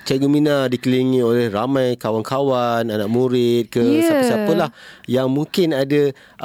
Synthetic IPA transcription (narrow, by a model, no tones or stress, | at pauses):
t͡ʃaɡəminadikəliŋĩolɛhramãjkawankawananaʔmuɾɪt̪̚kəsapsapəlahjaŋmũŋkɪnadə